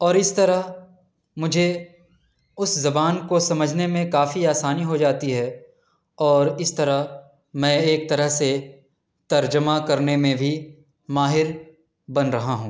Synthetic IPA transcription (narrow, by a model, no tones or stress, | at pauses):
ɔːɾɪst̪ɐɾəɦ | mʊd͡ʒʱe | ʊszɐbaːnkosɐməd͡ʒʱnemẽkaːfiaːsaːniɦod͡ʒaːt̪iɦɛː | ɔːɾɪst̪ɐɾəɦ | mɛ̃eːk̚t̪ɐɾəɦse | t̪ɐɾd͡ʒəmakɐɾnemẽbʱi | maːɦɪɾ | bɐnɾɐɦaɦũː